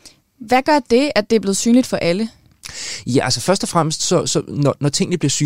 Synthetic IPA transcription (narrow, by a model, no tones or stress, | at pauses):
ʋæɡ̥ɶɐd̥e̝æd̥e̝æɐb̥le̝ːð̞̩ˠsyːnlid̥fɒ̽ʔælə | jæʔælsəfɶɐsd̥ɒfʁam̰əsd̥sɒ̽sɒ̽nɒnɒt͡sʰe̝ŋ̰nəb̥liɐsy